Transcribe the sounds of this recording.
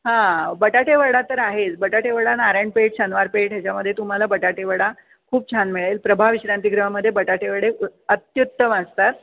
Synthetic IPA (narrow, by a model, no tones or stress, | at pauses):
ɦãbəʈaʈeʋəɽat̪əɾaɦet͡sbəʈaʈeʋəɽanaɾaɳpeʈɕənʋaɾpeʈɦjat͡ɕjaməd̪ʱjet̪um̤alabəʈaʈeʋəɽa | kʰuːp̚t͡ɕʰanmiɭelpɾəbʱaʋiɕɾant̪iɡɾəɦaməd̪ʱjebəʈaʈeʋəɽeət̪jut̪ːəməst̪at̪̚